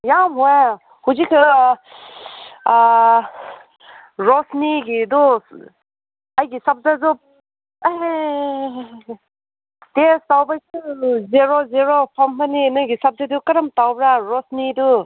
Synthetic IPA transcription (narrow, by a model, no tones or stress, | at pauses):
jamɦɔj | huzikʰɯ | ɾɔsniɡidu | ajɡisap̚zazup̚ | testawbajsɯzeɾozeɾopʰamhʰaninɯjɡisap̚zadukɐɾamtawbɾaɾɔsnidu